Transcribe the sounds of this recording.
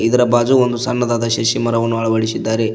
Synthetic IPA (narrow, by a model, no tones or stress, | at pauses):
id̪ɐɾɐbaːd͡ʒuond̪usɐnːɐd̪aːd̪ɐʃeʃimɐɾɐʋɐnːuɐɭɐʋɐɽisid̪ːaːɾe